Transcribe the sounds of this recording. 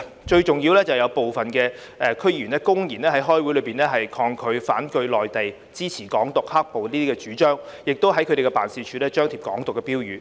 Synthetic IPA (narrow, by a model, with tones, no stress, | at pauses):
t͡ʃɵ˧ɥt͡sʊ˨ŋjiː˧wlɛː˥t͡sɐ˨wjɐ˨˧wpo˨wfɐ˨˩nkɛː˧ | ʔɛː˨kʰɵ˥jyː˨˩nɛː˥kʊ˥ŋjiː˨˩nlɛː˥hɐ˨˥jɦɔː˥jwu˨˥lɵ˨˧piː˨˩nlɛː˥ɦɐ˨jkʰɔː˧ŋkʰɵ˨˧ɥfa̰ː˨˥nkɵ˧ɥlɔː˨jt̪e˨j | t͡siː˥t͡sʰiː˨˩kɔː˨˥ŋt̪ʊ˨k̚ha˥k̚po˨wniː˥t̪iː˥kɛ˧t͡ʃyː˨˥t͡ʃœː˥ŋjɪ˨k̚t̪o˥wɦɐ˨˥jkʰɵ˨˧ɾe˨˩kɛ˧paː˨˩nsiː˧t͡ʃʰyː˨˥lɛː˥t͡ʃœː˥ŋt̪ʰiː˨p̚kɔ̰ː˨˥ŋt̪ʊ˨kːɛ˧piː˥wjyː˨˧